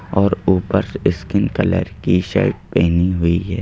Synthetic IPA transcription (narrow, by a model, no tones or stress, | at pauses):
ɔːɾuːpəɾsɪskɪnkɐlə̰ɾkiʃɛ̰ːʈ̚pɛːniɦʊiɦɛː